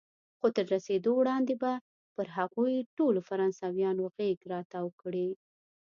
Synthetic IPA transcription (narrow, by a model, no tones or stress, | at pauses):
xot̪əɾːased̪owɽɑnd̪eba | pəɾɦaɣujʈolofaɾɑnsawjɑnoɣeɡɾɑt̪awkɽi